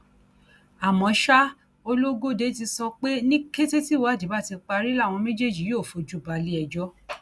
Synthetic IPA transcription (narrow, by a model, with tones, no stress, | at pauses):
a˨mɔ̃˨˦ʃa˦ | o˧lo˦ɡo˦˨de˨˦ti˧sɔ˧k͡pe˦nĩ˦ke˦te˦ti˦˨wa˨˦˨di˨˦ba˦˨ti˧k͡pa˧ɾi˦la˦˨w̃ɔ̃˧mẽ˦d͡ʒe˦˨d͡ʒi˨˦jo˦˨fo˨˦d͡ʒu˦˨ba˨˧li˦ɛ˧d͡ʒɔ˦